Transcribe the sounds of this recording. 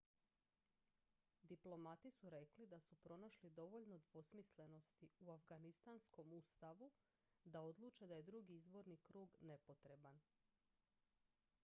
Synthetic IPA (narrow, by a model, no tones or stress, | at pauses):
d̪iplˠo̞mat̪isuɾe̞klid̪asupɾo̞naʃlid̪o̞ʋo̞ʎno̞d̪ʋo̞smisle̞no̞st̪iuafɡanist̪ansko̞must̪aʋu | d̪ao̞d̪lˠuːt͡ʃe̞d̪aje̞d̪ɾuɡiizbo̞ɾnikɾuːɡne̞po̞t̪ɾe̞ban